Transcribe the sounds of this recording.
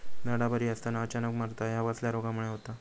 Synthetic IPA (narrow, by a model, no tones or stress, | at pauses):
d͡zəɽabəɾiəst̪anaət͡ɕanəkmaɾt̪ajaʋasljaɾoɡamuɭ̃eɦot̪a